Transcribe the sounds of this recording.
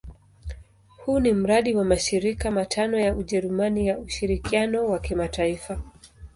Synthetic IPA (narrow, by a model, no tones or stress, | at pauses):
hunim̩ɾaɗiwamaʃiɾikamatʰanɔjauʄɛɾumanijauʃiɾikianɔwakimataifa